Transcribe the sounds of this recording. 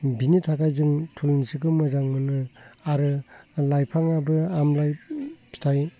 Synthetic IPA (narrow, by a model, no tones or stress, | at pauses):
binitʰakajzɯŋtʰulnsikɯmɯzaŋmɯnɯaɾɯlajpʰaŋabɯamlajpʰi̥tʰaj